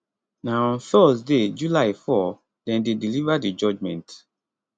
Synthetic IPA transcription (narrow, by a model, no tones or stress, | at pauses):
naɔ̃nθɔsded͡ʒulaɪfɔ | dɛ̃ndedilivadid͡ʒɔd͡ʒmɛ̰̃nt